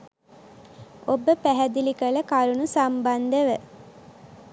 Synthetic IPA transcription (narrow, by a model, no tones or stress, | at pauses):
obəpæɦæd̪ilikələkaɾunusamband̪əʋə